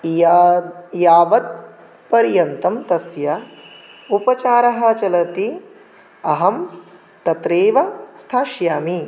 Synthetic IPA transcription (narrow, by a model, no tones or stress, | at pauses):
jaːʋɐt̪̚ | pɐɾjɐnt̪ɐmt̪ɐsjɐ | upɐt͡ʃaːɾɐɦɐ̆t͡ʃɐlɐt̪i | ɐɦɐm | t̪ɐt̪ɾeːʋɐst̪ʰaːʃjaːmi